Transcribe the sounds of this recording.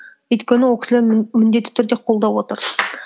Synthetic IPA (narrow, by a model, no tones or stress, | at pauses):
ɵjt̪kʲe̞nɪwolˠkʲɪ̥sɪlemɪnd̪e̞t̪ːɪ̥t̪ʰʏɾd̪e̞qʰo̞lˠd̪ɑwo̞t̪əɾ